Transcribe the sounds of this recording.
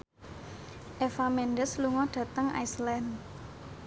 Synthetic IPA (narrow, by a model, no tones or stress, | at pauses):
ʔefamɛnɖəsluŋɔd̥ä̤t̪əŋa̰islɛn